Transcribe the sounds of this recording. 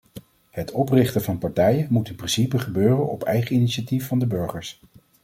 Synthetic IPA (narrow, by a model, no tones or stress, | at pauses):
hətʰɔprɪχtəvɑnpɑɹtɛjəmutɪnprɪnsipəχəbøːrənɔpɛ̰jχəiniʃatifːɑndəbɵɹχəɹs